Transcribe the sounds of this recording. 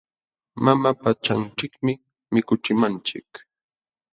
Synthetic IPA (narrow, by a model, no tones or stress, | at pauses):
mamapat͡ʃant͡ʃɪkmɪ | mɪkʊt͡ʃɪmant͡ʃɪ̰k